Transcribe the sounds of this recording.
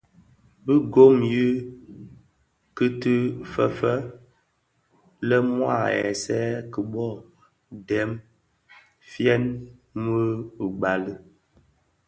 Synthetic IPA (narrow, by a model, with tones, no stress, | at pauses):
bi˦ɡo˦mji˦ | kɨ˦tɨ˦fə˨fə˦ | lɛ˦mwa̰˦˨ɛ̰˨sɛː˦kə˨bɔ˦˨ | dɛ˨˦m | fjɛ˦nmə˦˨ɡ͡ba˨lə˦